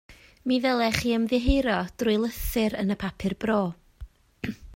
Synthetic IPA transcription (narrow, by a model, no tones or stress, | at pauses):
miðɛlˠɛχiːəmðɪɦejɾɔd̥rʊɨlˠəθɨɾənəpʰapʰɪrbroː